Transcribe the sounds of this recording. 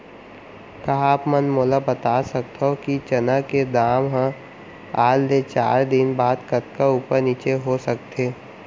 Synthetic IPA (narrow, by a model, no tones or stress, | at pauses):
kɐɦãaːpmənmoːlabət̪aːsɐk̚t̪ʰɦokit͡ʃɐnaked̪aːmɦə̃ | aːld̪et͡ʃa̰ːɾd̪ɪnbaːd̪kɐt̪kauːpəɾniːt͡ʃeɦosək̚t̪ʰeː